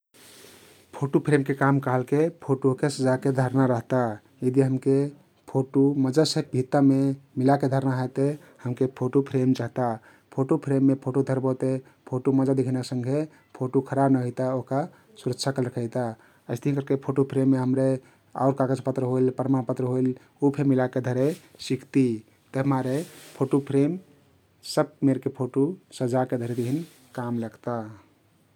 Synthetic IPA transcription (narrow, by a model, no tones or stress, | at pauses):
pʰoʈupʰɾemkekamkəɦəlkepʰoʈokesəd͡ʒaked̪ʱəɾnaɾəɦt̪a | jəd̪iɦəmke | pʰoʈoməd͡ʒasəbʱit̪ːamemilaked̪ʱəɾnaɦət̪e | həmkepʰoʈupʰɾemt͡ʃaɦt̪a | pʰoʈupʰɾemːepʰoʈod̪ʱəɾbot̪e | pʰoʈuməd͡ʒad̪ekʰənaksə̃ŋɡʱe | pʰoʈukʰəɾabnəɦojt̪aoɦka | suɾəkt͡ʃʰakəlɾəkʰəɪt̪a | əɪst̪əiɦinkəɾkepʰoʈopʰɾemːeɦəmɾe | a̰ʊɾkaɡad͡ʒpət̪ɾəɦoilpəɾmanpət̪ɾəɦoil | upʰemilaked̪ʱəɾesikʰt̪i | t̪əɦmaɾepʰoʈupʰɾem | səb̚meɾkepʰoʈosəd͡ʒaked̪ʱəɾed̪ekʰin | kamləɡt̪a